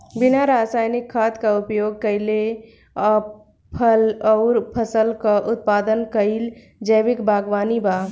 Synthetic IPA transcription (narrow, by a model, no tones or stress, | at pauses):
binaɾasajnikʰːat̪kaupjoɡ̚kəɪle | pʰəlɔʊɾpʰəsəlkaʔut̪̚pad̪ənkəil | d͡ʒəjbikbʱaɡʋaniba